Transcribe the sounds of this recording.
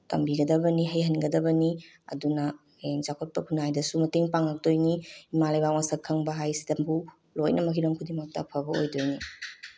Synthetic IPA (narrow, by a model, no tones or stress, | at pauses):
tɐmbiɡɐdɐbɐniɦɐjɦɐnɡɐdɐbɐni | ɐ̰dunɐ | eŋzakʰot̚pɐkʰunajdɐsumɐteŋpaŋɐk̚dojniimalɐjbamasɐkʰːɐŋbɐɦajsidɐmbu | lo̰jnʔɐmɐkʰiɾɐŋkʰudimɐk̚tɐ̰pʰɐbɐo̰jdojni